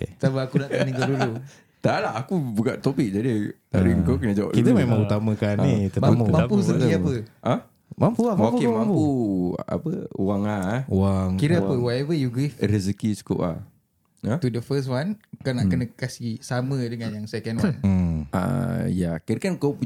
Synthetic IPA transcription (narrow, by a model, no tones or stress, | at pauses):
kesabaakunaʔkənəŋkadulu | t̪alaakubukaʔt̪opik̚d͡ʒadi | aɾiŋkawkənəd͡ʒawa̰ʔ̚dilumemãŋut̪aməkanːit̪əmamãpusət̪iapəʔə | mampuokemampua̰pəuwaŋaaŋkiɾəapəwaɛvəjuɡɾifɾəzəkisu̥ko̰pa̰ | ət̪udəfəs̬wankanaʔkənə̃kasisamə̃dəŋanjaŋsɛkənwan̩ʔa̰ja̰kəɾkankowpu